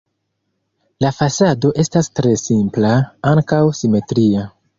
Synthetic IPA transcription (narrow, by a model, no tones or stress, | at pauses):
lafasado̞ʔe̞stastɾe̞simplaaŋkawsime̞tɾia